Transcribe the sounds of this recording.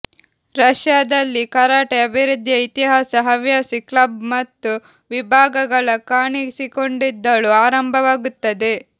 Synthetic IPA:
ɾɐʂjaːd̪ɐlːikɐɾaːʈeɐbʱiɾud̪ʱjɐit̪iɦaːsɐɦɐʋjaːsiklɐbmɐt̪ːu | ʋibʱaːɡɐɡɐɭɐkaːɳisiko̞ɳɖid̪ːɐɭuaːɾɐmbʱɐʋaːɡut̪ːɐd̪e̞

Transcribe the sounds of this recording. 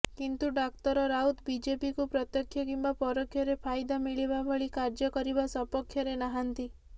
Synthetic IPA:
kint̪uɖak̚t̪ɔɾɔɾaut̪bid͡ʒepikupɾɔt̪jɔkʰːjɔkimbapɔɾɔkʰːjɔɾepʰajd̪amiɭibabʱɔɭikaɾd͡ʒɔkɔɾibasɔpɔkʰjɔɾenaɦant̪i

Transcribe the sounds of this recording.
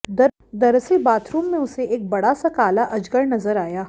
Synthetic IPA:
d̪ɐ | d̪ɐɾsebaːt̪ʰɾuːmːẽʊseeːk̚bɐɽasɐkaːlaʔɐd͡ʒɡəɾnɐzəɾaːjaː

